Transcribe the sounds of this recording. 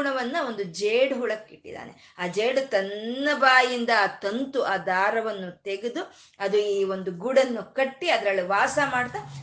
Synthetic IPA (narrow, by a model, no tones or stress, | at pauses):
ɳɐʋɐnːɐo̞nd̪ud͡ʒeːɽɦuɭɐkːiʈːḭd̪a̰ːnʔḛ | aːd͡ʒeːɖut̪ɐnːɐbaːjind̪ɐt̪ɐnt̪uʔaːd̪aːɾɐʋɐnːut̪eɡed̪u | ɐd̪uiːo̞nd̪uɡuɽɐnːukɐʈːiɐd̪ɾɐɭːiʋaːsɐmaːɽt̪a